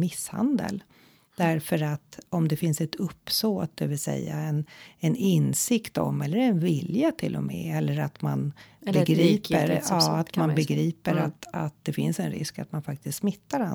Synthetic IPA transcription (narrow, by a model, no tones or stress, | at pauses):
mɪsːha̰nd̪ə̰l | d̪æɾfœɾat̪ɔmd̪ɛfɪnsɛt̪ʰɵpːsoːt̪̚d̪ɛvɪlsɛ̰jːa̰ɛnɛnɪnsɪkt̪ɔ̰mɛlːəɾɛnvɪljat̪ʰɪlːɔ̰mɛ̰ɛlːəɾat̪manbɛɡɾiːpəɾɑːat̪manbɛɡɾiːpəɾat̪at̪̚d̪ɛfɪ̰nsɛnɾɪ̰ska̰t̪manfak̚t̪ɪst̪smɪt̪ːaɾa